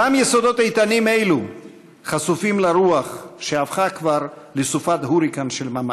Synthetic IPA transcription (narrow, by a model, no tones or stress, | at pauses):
amjesod̪o̞t̪ajt̪anime̞jlu | χasufimlaɾuaχʃeavχakvaʁ | lesufat̪huɾikanʃelmama